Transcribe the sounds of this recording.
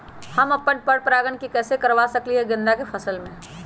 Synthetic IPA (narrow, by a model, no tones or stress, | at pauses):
hɐmɐpːəɳpəɽpɾaːɡəɳkikɛːsekɐɾʋasɐkliɦɛɡɪ̃nd̪akefʰɐsəlmẽː